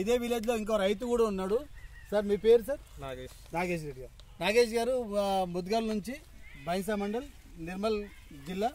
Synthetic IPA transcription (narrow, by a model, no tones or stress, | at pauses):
id̪e̞ːʋileːd͡ʒlo̞ːiŋkoːɐɾɐjt̪̬ukuːɽaːunːaːɽusɐɾmiːpe̞ːɾusaɾn | naːɡeːʃɾeɖiɡaːɾu | naːɡe̞ːʃ̬ɡaːɾumud̪ɡaːlnuɲt͡ʃibʱɐjŋs̬aːmɐɳɖɐl | niɾmɐl | d͡ʒilːaː